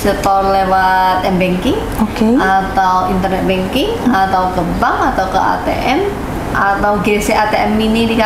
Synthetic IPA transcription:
sət̪ɔlewat̪̚ɛnbɛŋkɪŋ | okeat̪awint̪ərnɛt̪̚bɛŋkɪŋat̪awkəbaŋat̪awkəʔa̰t̪ḛʔɛm | ʔat̪awɡeseʔat̪eʔɛminidika

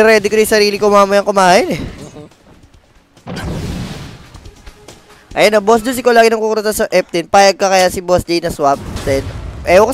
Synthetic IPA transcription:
ɾɛːd̪ɪkoj̪ɐjsɐɾiːlɪkomaːmɐjɐŋkʊmaːhɪnɛ | ʔɐjanːɐbosd̪ʊns̬ɪkolaːɡɪnɐŋkukʊɾt̪asɐʔɛp̚t̪ɪnpaːjɐɡ̚kɐkɐjasɪbosd͡ʒejnɐswap̚d̪ɛd̪ʔɛok

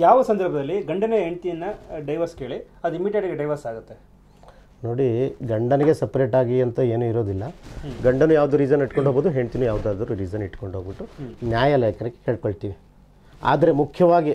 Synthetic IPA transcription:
jaːʋɐsɐnd̪ɐɾbʱɐd̪ɐlːiɡɐɳɖɐneɦeɳt̪ijɐnːɐɖɐjʋɐɾskeːɭi | ɐd̪uimiʈeʈɐɡeɖɐjʋɐɾsaːɡut̪ːe | no̞ːɽiɡɐɳɖɐneɡesepɐɾeʈaːɡiɐnt̪ɐe̞ːnuiɾo̞ːd̪ilːɐɡɐɳɖɐnuːjaːʋud̪uːɾiːd͡ʒɐniʈkoɳɖɦoːboːd̪uɦeɳt̪inujaːʋd̪aːd̪ɐɾuɾiːd͡ʒɐniʈːko̞ɳɖɦoːɡbiʈːunjaːjɐlɐjɐkɐnɐkːe̥keːɭkoɭt̪iːʋi | a̰ːd̪ɐɾe̞mukʰjɐʋaːɡi

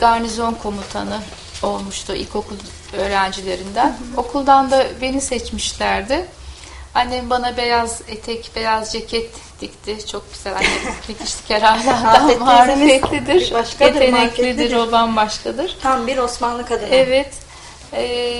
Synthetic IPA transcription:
ɡaɾnizo̞nkʰo̞mut̪ʰanɯ | o̞lˠmuʃt̪ʰʊʔḭlʲcʰo̞kʰulˠ | ø̞ːɾænd͡ʒilʲe̞ɾind̪æno̞kʰulˠd̪and̪abe̞nisɛt͡ʃmiʃlʲæɾd̪ɪ | haneɪbanabejazet̪ʰɛcbejazd͡ʒecʰɛt̪ːict̪ʰɪt͡ʃʰo̞k̚meselʲahanicʰi̥ʃlʲi̥cʰeɾaːɾlʲˠaɾd̪aːɾufɛt̪lʲid̪iɾket̪enɛkʲid̪iɾolˠanbaʃkʰad̪ɯɾ̥t̪ʰambiɾosmanlˠɯkad̪ɯɛvɛt̪ | ɛː

